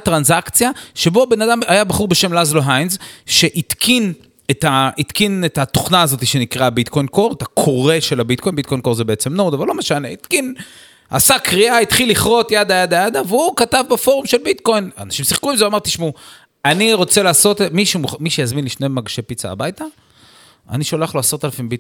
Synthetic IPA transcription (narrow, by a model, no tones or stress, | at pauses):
t̪ʁanzakt͡sjaʃe̞bo̞be̞nad̪amajabaχuʁbe̞ʃemlazloɦajnzʃe̞ʔit̪kʰin | et̪ait̪kinet̪at̪oχnaːzo̞t̪iʃenikʁabit̪ko̞jnko̞ʁet̪akʰoʁe̞ʃe̞labit̪ko̞jnbit̚kojnko̞ʁzebeet͡se̞mno̞ʁd̪avallo̞me̞ʃane̞it̪kin | a̰sakʁiait̪χilːiχʁo̞t̪jad̪ajad̪ajad̪aveukatavbefo̞ʁumʃe̞lbit̪ko̞jna̰naʃimsiχkuimzeuamaʁt̪iʃmu | aniʁo̞t͡se̞laːso̞t̪miʃumuχmiʃejazminlifne̞maɡʃe̞pit͡sa̰ːbajt̪a | a̰niʃolaχloasot̪alafimbit